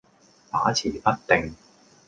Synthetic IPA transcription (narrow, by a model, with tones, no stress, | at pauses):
t̪aː˨˥t͡sʰiː˨˩pɐ˥t̚t̪ɪ˨˩ŋ